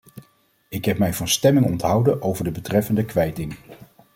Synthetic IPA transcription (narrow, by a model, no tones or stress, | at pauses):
ɪkɦɛpmɛjvɑnstɛmɪŋɔ̰ntɦɑwdənʔowvəɹdəbətrɛfəndəkʋɛjtɪŋ